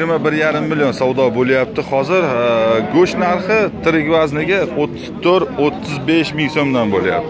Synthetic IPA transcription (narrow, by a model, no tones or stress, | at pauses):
ɪɾmabɪɾjaɾɪmːɪljonsawd̪ɒbolˠjap̚t̪ʰɪχɒzɪɾɡɵʃnaɾχɪt̪ʰɪɾɪɡʲvaznɪɡʲaot̪ʰːɪ̥z̥t̪ʰoɾot̪ʰːɪzbeʃmɪŋsomd̪anbolja̰p̚t̪ʰɪ